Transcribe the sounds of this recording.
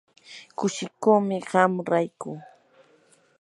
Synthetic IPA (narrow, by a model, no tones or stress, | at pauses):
kʊʃɪkoːmɪɢamɾajkuː